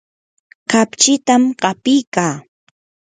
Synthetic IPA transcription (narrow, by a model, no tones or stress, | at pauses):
kapt͡ʃɪt̪amɢɑpɪjkaː